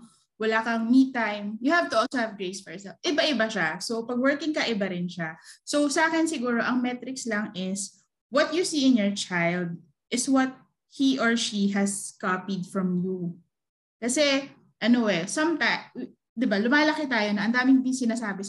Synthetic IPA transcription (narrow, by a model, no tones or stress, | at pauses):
wɐlaːkɐŋmit̪ːajmjʊhavt̪ʊʔolsohɐvɡɹejsfɔɹjsɛlfʔɪbaʔɪbaʃasopɐɡ̚wɛɹkɪŋkɐʔɪbaɾɪnʃasowsɐʔaːkɪnsɪɡuːɾoʔɐŋmɛt̪ɾɪkslɐŋʔɪs | wɔt̪̚jusiːɪnjɔɹt͡ʃajld̪̚ | ʔɪswɔt̪̚ | hiʔɔɹʃiɦɐskapid̪̚fɹɐmju | kɐsɛ | ʔɐnowɛsɐmt̪a | d̪ɪbalʊmaːlɐkɪt̪aːjonɐʔɐnd̪aːmɪŋb̪ɪŋsɪnasaːbɛs